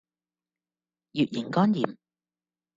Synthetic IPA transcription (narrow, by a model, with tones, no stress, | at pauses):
jyː˨t̚jɪ˨˩ŋkɔː˥njiː˨˩m